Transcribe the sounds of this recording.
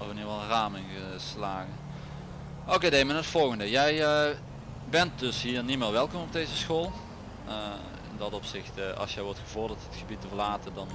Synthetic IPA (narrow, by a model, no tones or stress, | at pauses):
ɔʋəniʋɑlˠraːmɪnɣə | slaːɣən | okedejmɛnɦətfɔlˠɣəndəjɛj | bɛnt̚dɵsɦiːɹnimɪːʋɛlˠkɔmɔb̚dejzəsxoːlˠ | ɪ̰ndɑtɔpsɪxtɑ̰lˠsjɛjʋɔɹtxəvɔɹdətɦətxəbitəvəɹlaːtəndɑn